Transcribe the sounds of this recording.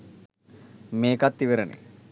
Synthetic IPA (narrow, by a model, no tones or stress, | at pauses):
meːkat̪ːiʋeɾənḛ